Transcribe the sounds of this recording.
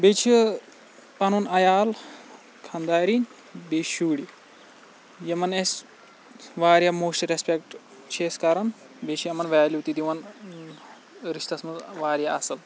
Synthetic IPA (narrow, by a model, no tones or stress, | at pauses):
bet͡ʃʰi | pɐnunɐjaːl | kʰɐnd̪aːɾiːn | beːʃuːɽi | jɐmɐnes | ʋaːɾjɐmoːsʈɾespekʈ | t͡ʃʰeːskɐɾɐn | bet͡ʃʰijɐmɐnʋaːliuwt̪id̪iʋɐn | ɾiʃt̪ɐsmɐzʋaːɾjaɐsɐl